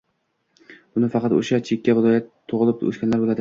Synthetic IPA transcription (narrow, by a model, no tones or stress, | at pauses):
b̥ʊnɪfɑqʰɑt̪o̰ʃat͡ʃʰekʲːavɪlˠɒjat̪ʰːoʁɨlˠɪp̚ɵ̰skʲanlaɾbolˠad̪ɪ